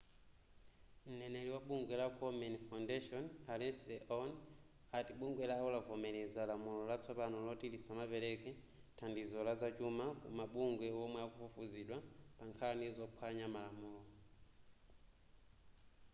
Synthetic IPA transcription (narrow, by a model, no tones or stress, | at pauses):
m̩nɛnɛliwaɓuŋɡwɛlakʰɔmɛnifawndɛʃɔnalɛnslɛʔɔn | atiɓuŋɡwɛlaɔlavɔmɛlɛzalamulɔlat͡sʰɔpanɔlɔtilisamapɛɾɛkɛ | tʰandizɔlazat͡ʃumakṵmaɓuŋɡwɛɔmwɛakufufuziɗwapaŋkʰanizɔpʰwaɲamalamuːlɔ